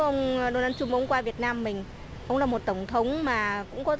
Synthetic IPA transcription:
ʔə˧wŋ͡mɗo˧naː˧nt͡ɕʊ˧ŋ͡mʔə˧wŋ͡mkwaː˧vi˨˩ət̚naː˧mːï˨˩ŋ̟ | ʔə˧wŋ͡mlaː˨˩mo˨˩t̚t̪ə˧˩wŋ͡mt̪ʰə˨˦wŋ͡mmaː˨˩kʊ̰˧˥ŋ͡mkɔ˨˦

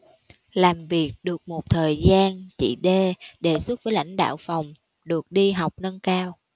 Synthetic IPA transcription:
laː˨˩mvi˨˩ək̚ɗɨ˨˩ək̚mo˨˩t̚t̪ʰəː˨˩jzaː˧nt͡ɕḭ˧˨ɗe˧ɗe˨˩swt̚vəː˨˦jla̰˧˥jŋ̟ɗa̰ː˧˨wfa˨˩wŋ͡m | ɗɨ˨˩ək̚ɗi˧ɦa˨˩wk͡p̚nə˧nkaː˧w

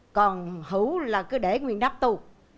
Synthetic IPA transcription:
kɔ˨˩nhɨ˧˩˦wlaː˨˩kɨ˨˦ɗe˧˩ŋwi˨˩ənɗa˦˥p̚t̪u˧˩k̚

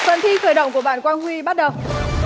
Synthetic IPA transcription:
fə̰˧˨nt̪ʰi˧xəː˧˩jɗə̰˧˨wŋ͡mku˧˩əɓaː˧˨nkwaː˧nhwi˧ɓa˦˥t̚ɗə˨˩w

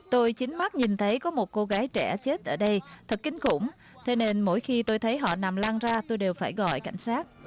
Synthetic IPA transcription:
t̪o˧jt͡ɕi˨˦ŋ̟ma˦˥t̚ɲi˨˩nt̪ʰə˨˦jkɔ˨˦mo˨˩t̚ko˧ɣaː˨˦jt͡ɕɛ˧˩t͡ɕe˦˥t̚ʔəː˧˩ɗə˧jt̪ʰə˨˩k̚kï˨˦ŋ̟kʊ̰˧˩ŋ͡m | t̪ʰe˨˦ne˧nmo̰˧˥˩jxi˧t̪o˧jt̪ʰə˨˦jɦɔ̰˧˨na˨˩mlaː˧ŋzaː˧t̪o˧jɗe˨˩wfaː˧˩jɣɔ̰˧˨jka˧˩jŋ̟saː˦˥t̚

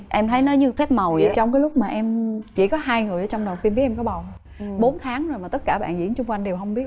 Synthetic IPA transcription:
ʔɛ˧mt̪ʰə˨˦jnə˨˦jɲɨ˧fɛ˦˥p̚mə˨˩wə˨˩˦t͡ɕɔ˧wŋ͡mkaː˨˦jlʊ˦˥k͡p̚maː˨˩ʔɛ˧mt͡ɕḭ˧˩kɔ˨˦ɦaː˧jŋɨ˨˩əjʔəː˧˦t͡ɕɔ˧wŋ͡mɗə˨˩wt̪i˧mɓt̚ʔɛ˧kɔ˨˦ɓa˨˩w | ɓo˨˦nt̪ʰaː˨˦ŋzo˨˩jmaː˨˩t̪ə˦˥t̚kaː˧˩ɓa̰ː˧˨nzḭ˧˥nt͡ɕʊ˧ŋ͡mkwa˧jŋ̟ɗe˨˩wɦə˧wŋ͡mɓi˦˥ət̚

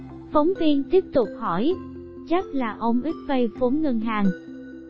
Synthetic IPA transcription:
fə˨˦wŋ͡mvi˧ənt̪i˦˥əp̚t̪ʊ˨˩k͡p̚hɔ˧˩j | t͡ɕa˦˥k̚laː˨˩ʔə˧wŋ͡mʔi˦˥k̚və˧jfo˨˦nŋə˧ŋɦaː˨˩ŋ

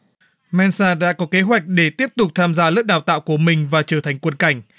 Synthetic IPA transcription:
mɛ˧nsaː˧ɗa̰ː˧˥kɔ˨˦ke˨˦ɦwa˨˩jk̟̚ɗe˧˩t̪i˦˥əp̚t̪ʊ˨˩k͡p̚t̪ʰaː˧mzaː˧lə˦˥k̚ɗaː˨˩wt̪a̰ː˧˨wku˧˩əmï˨˩ŋ̟vaː˨˩t͡ɕəː˧˩t̪ʰa˨˩jŋ̟kwə˧nka˧˩jŋ̟

